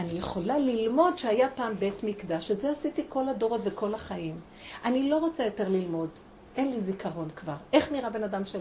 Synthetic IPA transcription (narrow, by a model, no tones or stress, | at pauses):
anijeχo̞lalilmo̞dʃeajapaːmbe̞tmikd̪aʃezeasitiko̞lado̞ʁo̞tveko̞laχaim | ʔanilo̞ʁot͡sajo̞te̞ʁlilmo̞d | e̞nlizikaʁo̞nkvaʁe̞χniʁabe̞nadamʃe